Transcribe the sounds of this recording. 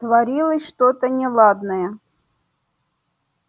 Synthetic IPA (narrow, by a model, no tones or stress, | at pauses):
t̪vɐɾʲilˠəsʲʂt̪ot̪ənʲɪlˠad̪nəjə